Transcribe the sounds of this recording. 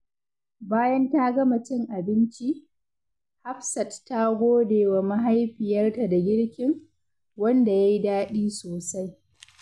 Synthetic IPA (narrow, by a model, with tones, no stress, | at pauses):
baː˦jɐ˦nta˦ɡɐ˦mɐ˨t͡ʃɪ˦ŋʔa˨bɪ˦nt͡ʃi˦ | ha˦ɸsɐ˨ttːa˦ɡʷoː˦deː˨wa˨ma˦ɦa˦jɸɪ˨jɐ˦rta˨da˨ɡʲɪ˦ɽkʲɪ˦ŋ | wɐ˦nda˨ja˦ji˦daː˦ɗiː˦soː˨sa˦j